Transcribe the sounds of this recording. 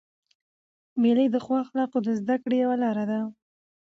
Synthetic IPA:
meləjd̪əxwɑxlɑqod̪əzd̪akɽejawalɑɾad̪a

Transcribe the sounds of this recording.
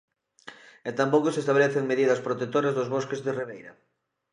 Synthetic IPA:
et̪ampokosest̪aβeleθeŋmeðiðɐspɾot̪et̪oɾɐzðozβoskezðɪriβ̞ejɾɐ

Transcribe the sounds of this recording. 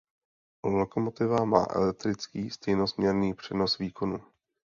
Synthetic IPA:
loko̞mo̞t̪ɪvama̰ːʔɛ̰lɛk̚t̪ɾɪt͡skiːst̪ɛjnosmɲɛɾniːpr̝̥ɛno̞sviːko̞nu

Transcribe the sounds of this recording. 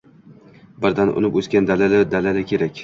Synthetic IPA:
bɪɾd̪anʔʊ̰nɪpɵskʲand̪alalad̪alalakʲʰe̞ɾakʲ

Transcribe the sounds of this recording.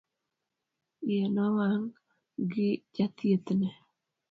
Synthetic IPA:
jenɔwaŋ | ɡɪd͡ʒat̪jet̪ne

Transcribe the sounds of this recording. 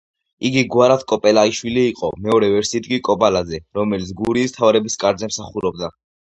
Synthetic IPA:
iɡiɡwaɾat̪ʰkʼɔpʼɛlaiʃwiliːqʼɔmɛɔɾɛvɛɾsid̪ɡʼikʼɔpʼalad̪zɛɾɔmɛlit̪sʰɡuɾiːst̪ʰavɾɛbiskʼaɾd̪zɛmsaχuɾɔb̚d̪a

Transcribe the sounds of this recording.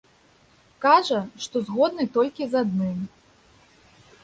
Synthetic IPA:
kaʐɐʂt̪ɔzɣɔd̪̚nɨt̪ɔlʲkʲizad̪̚nɨm

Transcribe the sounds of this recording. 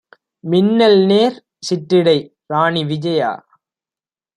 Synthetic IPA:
mɪnːɐlneːɾ | sɪʈːɪɽɐɪ | ɾaːɳiʋɪd͡ʒɐja̰ː

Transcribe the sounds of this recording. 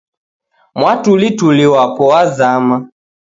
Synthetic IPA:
mwatulituliwapɔazama

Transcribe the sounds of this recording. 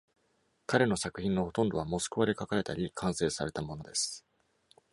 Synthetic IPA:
kaɾe̞no̞sakɯ̟çʲĩnːo̞ho̞t̪õ̞nd̪o̞βamo̞sɨ̥kɯ̟βaɾʲekakaɾe̞t̪aɾʲikʰãɰ̃se̞ːsaɾe̞t̪amo̞no̞d̪e̞sɨ̥

